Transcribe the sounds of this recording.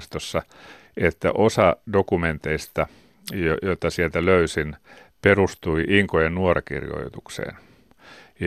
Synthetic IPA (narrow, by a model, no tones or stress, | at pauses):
st̪osːɑ | et̪ːæ̰ʔosɑdokument̪eist̪ɑ | jojot̪ɑsielt̪æløysin | perust̪uiʔiŋkojennuorɑkḭrjo̰it̪uksḛːn | j